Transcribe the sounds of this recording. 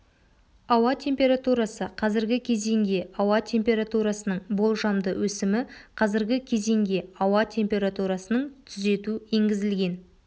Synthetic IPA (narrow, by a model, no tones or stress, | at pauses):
ɑwɑt̪ʲʰe̞mpʲe̞ɾat̪uɾɑsəqʰɑzɪɾɡʲɪkʲʰe̞ze̞ŋɡʲe̞ɑwɑt̪ʲʰe̞mpʲe̞ɾat̪uɾasənəɴbo̞lˠʒɑmd̪əwʔɵsɪmɪqʰɑzɪɾɡʲɪkʲʰe̞ze̞ŋɡʲe̞ɑwɑt̪ʲʰe̞mpʲe̞ɾat̪uɾasənəɴt̪ʰʏze̞t̪ue̞ŋɡʲɪzɪlɡʲe̞n